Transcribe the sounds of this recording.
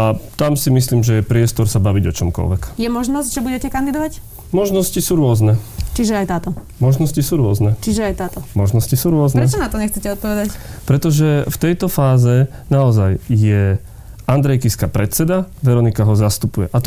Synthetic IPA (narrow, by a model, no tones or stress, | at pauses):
at̪amsimisliːmʒɛjɛpɾɪɛst̪ɔɾsabaʋiɟɔt͡ʃɔmkɔ̰lʋɛ̰kjɛmɔʒnɔzɟʒɛbuɟɛcɛkand̪id̪ɔʋac | mɔʒnɔscisuːɾʊɔznɛt͡ʃiʒɛajt̪aːt̪ɔ | mɔʒnɔscisuːɾʊɔznɛt͡ʃiʒɛajt̪aːt̪ɔmɔʒnɔscisuːɾʊɔznɾɛt͡ʃɔnat̪ɔɲɛxt͡sɛcɛɔt̪̚pɔʋɛd̪acpɾɛt̪ɔʒɛft̪ɛjt̪ɔfaːzɛ | naɔzajjɛ | and̪ɾɛjkiskapɾɛt͡sɛd̪aʋɛɾɔnikaɦɔzast̪upujɛʔat̪